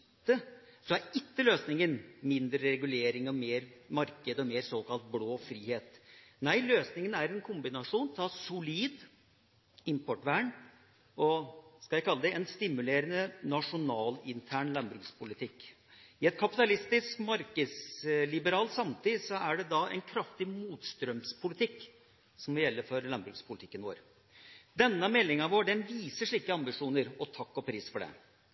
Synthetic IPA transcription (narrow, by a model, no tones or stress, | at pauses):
t̪ːəsɔæɾɪkːəløːsnɪŋənmɪnd̪ɾəɾɛɡʉleːɾɪŋɔmeːɾmɑɾkəd̪ɔmeːɾsoːkɑlt̪̚bloːfɾiːheːt̪næɪløːsnɪŋənæɾɛnkʰʊmbɪnɑʂuːnt̪ʰɑsʊliːd̪ | ɪmpʰɔʈʋæːɳ | ɔskɑljæɪkʰɑlːəd̪ɛɛnst̪ɪmʉleːɾənənɑʂʊnɑːlɪnt̪ʰæːɳlɑmbɾʉkspʰʊlɪt̪ʰɪkː | ɪɛt̪̚kʰɑpɪt̪ɑlɪst̪ɪskmɑɾkəd̪slɪbəɾɑːlt̪sɑmt̪ʰiːsɔæɖɛd̪ɑɛ̰nkʰɾɑft̪ɪmuːt̪st̪ɾœmspʰʊlɪt̪ʰɪkː | sɔmʋɪljɛlːəfɔɾlɑmbɾʉkspʰʊlɪt̪ʰɪkːənʋo̰ːɾ | d̪ɛnːəmɛlːɪŋɑʋoːɖɛnʋiːsəʂɭiːkəɑmbɪʂuːnəɾɔt̪ʰɑkːɔpʰɾiːsfɔɖɛ̰